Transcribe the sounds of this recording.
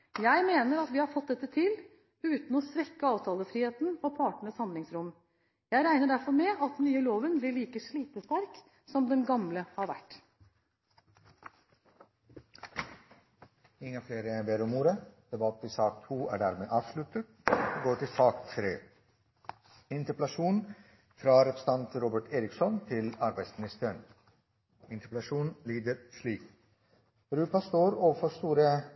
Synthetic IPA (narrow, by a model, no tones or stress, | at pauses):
jæɪmeːnəɾɑt̪ʋɪːhɑɾfɔt̪̚d̪ɛt̪ːət̪ʰɪl | ʉːt̪n̩ɔsʋɛkːəɑːʋt̪ʰɑːləfɾiːheːt̪n̩ɔpʰɑːʈəɳəshɑnlɪŋsɾʊm | jæɪɾæɪnəɖæɾfɔɾmɛɑt̪nyːəloːʋənblɪɭiːkəʂɭiːt̪əst̪ɑɾk | sɔmd̪ɛnɡɑmləhɑɾʋæ̰ʈː | ɪŋːəfleːɾəjæɪbeːɾɔmuːɾəd̪̥ɛbɑt̪ʰːɪsɑːk̚t̪ʰuːæ̰ːɖæːɾmeːʔɑːʋʂlʉt̪ət̪ːɡoːʈɪlsɑːktʰɾeː | ɪnt̪əpɛlɑʃuːn | fɾɑːɾɛpɾə̥sɑnt̪ɾuːbəʈʰeːɾɪksɔnt̪ʰɪlɑɾbæɪsmɪnɪst̪əɳ | ɪnt̪əpɛlɑʃuːnliːd̪əɾsliːk | ɾʉːpɑst̪oːɾoːʋəfɔst̪uːɾə